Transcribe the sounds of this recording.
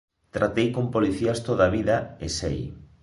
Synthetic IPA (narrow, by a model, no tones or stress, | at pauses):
t̪ɾat̪ejkompoliθiast̪oðaβiðɐesḛj